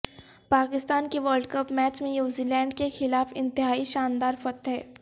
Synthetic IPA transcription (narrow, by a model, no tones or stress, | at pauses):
paːkɪst̪aːnkeʋəːɾɖkəpmɛːt͡ʃmẽnjuːzilɛ̃ːɳɖkexɪlaːfɪ̃nt̪ɪɦaːiʃaːnd̪aːɾfɐt̪ɦɛː